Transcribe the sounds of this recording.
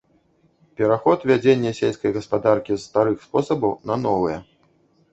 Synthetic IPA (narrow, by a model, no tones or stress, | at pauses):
pʲɛɾaxɔt̪vʲad͡zʲenʲːɛsʲelʲskɐjɣɐspad̪arkʲisːt̪aɾɨxspɔsɐbɐwnɐnɔvɨjɛ